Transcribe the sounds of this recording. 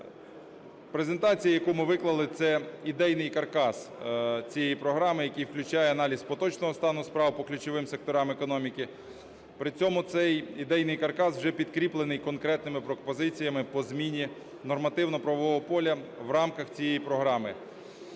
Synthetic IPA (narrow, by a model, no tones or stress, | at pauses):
pɾezent̪ɑt͡sʲijɐjɐkumɪʋɪklˠɐlˠɪt̪sɛid̪ɛjnɪjkɐrkɑst͡sʲijɛjipɾɔɦɾɑmɪjɐkijwklʲʊt͡ʃɑjɛɐnɑlʲisʲpɔt̪ɔt͡ʃnɔɦɔst̪ɑnʊspɾɑwpɔklʲʊt͡ʃɔʋɪmsek̚t̪ɔɾɑmekɔnɔmʲikɪ | pɾɪt͡sʲɔmʊt̪sɛjid̪ɛjnɪjkɐrkɑswʒɛpʲid̪kɾʲiplˠenɪjkɔnkɾɛt̪nɪmɪpɾɔpɔzɪt͡sʲijɐmɪpɔzmʲinʲi | nɔrmɐt̪ɪwnɔpɾɐʋɔʋɔɦɔpɔlʲɐwɾɑmkɐxt͡sʲijɛjpɾɔɦɾɑmɪ